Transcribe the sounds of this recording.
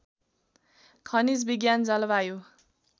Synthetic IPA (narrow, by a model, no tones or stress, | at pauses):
kʰʌnid͡zbiɡjand͡zʌlʌbajo